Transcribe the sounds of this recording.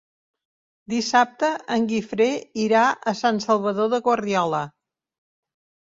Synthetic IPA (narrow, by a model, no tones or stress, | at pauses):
d̪isap̚t̪əʔəŋɡifɾeiɾaəsansəlˠβ̞əðoðəɣwərðiɔlə